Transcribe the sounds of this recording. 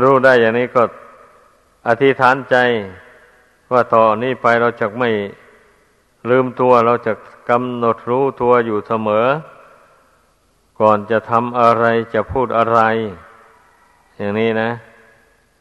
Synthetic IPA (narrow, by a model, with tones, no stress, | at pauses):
ɾuː˧˥˩daː˧˩˨jːaː˨˩ŋniː˧˥˨kɔː˧˩ | ʔa˧˩t̪ʰi˧˥t̪ʰaː˨˦˥nt͡ɕa˧j | waː˧˩t̪ɔː˨˩˨niː˧˥˩pa˧jɾa˧˩wt͡ɕaː˨˩k̚ma˥˩j | lɯː˧mt̪u˧ɐɾa˧wt͡ɕaː˨˩k̚ːa˧mno˨˩t̪̚ɾuː˧˥˩t̪u˧ɐjuː˨˩sa˧mɤː˨˦ | kɔː˨˩nt͡ɕa˨˩t̪ʰa˧mʔa˧ɾa˧jt͡ɕa˨˩pʰuː˥˩t̪̚ʔa˧ɾa˧j | jaː˨˩ŋniː˧˥˨na˧˥